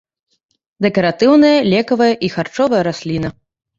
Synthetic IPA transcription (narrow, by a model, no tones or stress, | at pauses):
d̪ɛkɐɾat̪ɨwnɐjɐlʲɛkɐvɐjɐʔixart͡ʂɔvɐjɐɾasʲlʲinɐ